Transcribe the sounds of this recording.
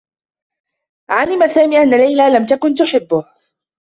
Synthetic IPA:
ʕalɪmasaːmiːʔanːalajlalamt̪akʊnt̪ʊħɪbːʊh

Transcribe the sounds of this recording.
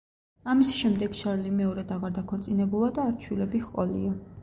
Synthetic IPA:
amisʃɛmd̪ɛɡ̥ʃaɾlimɛɔɾɛd̪aʁaɾd̪akʰɔɾt̪sʼinɛbulˠad̪aːɾt͡ʃʰwilɛbiχqʼɔ̰lḭa

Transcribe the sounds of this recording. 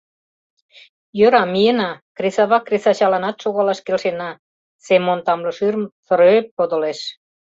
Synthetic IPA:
jø̆ɾɑmijenɑkresɑβɑkresɑt͡ɕɑlɑnɑt̪ʃoɣɑlɑʃkelʃenɑ | semont̪ɑmlɤ̆ʃyrmt̪ə̆ɾøeppod̪ŏleʃ

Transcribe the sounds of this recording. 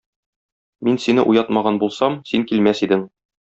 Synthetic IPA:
minsinɘʔujɑt̪mɑʁɑnbulˠsɑmsiŋkilmæsid̪ɘŋ

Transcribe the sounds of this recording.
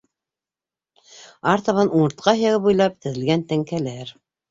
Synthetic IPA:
ɑɾt̪ɑβɑnuɴɤ̆ɾt̪̚qɑhjɑʁɤpujlˠɑp̚t̪ɘ̆ðɘ̆lɡænt̪æŋkælæɾ

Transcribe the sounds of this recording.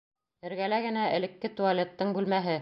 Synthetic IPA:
ɘ̆ɾɡælæɡɘ̆næɘ̆lɘ̆kːɘt̪ualʲet̪ːɤɴbʉlmæɦɘ

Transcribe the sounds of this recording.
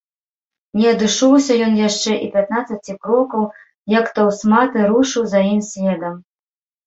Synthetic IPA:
nʲɛɐd̪ɨʂɔwsʲɐjɔnjaʂt͡ʂɛʔipʲat̪̚nat̪sɐt͡sʲikɾɔkɐw | jakt̪ɐwsmat̪ɨɾuʂɨwzajimsʲvʲɛd̪ɐm

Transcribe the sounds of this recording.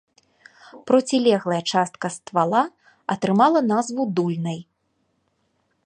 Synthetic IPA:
pɾɔt͡sʲilʲɛɣlˠɐjɐt͡ʂast̪̚kɐst̪valˠa | ɐt̪ɾɨmalˠɐnazvud̪ulʲnɐj

